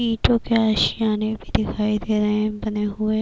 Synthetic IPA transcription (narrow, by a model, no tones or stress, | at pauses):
iːʈõkeaːʃɪjãːnebʱid̪ɪkʰaːid̪eːɾɐɦẽbɐneɦʊe